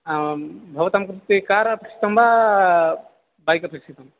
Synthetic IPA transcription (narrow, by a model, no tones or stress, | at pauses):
bʱɐʋɐt̪amkɾt̪ikaːɾɐpikʃʰi̥t̪ɐmbʱa | bajkɐpiksʰit̪ɐm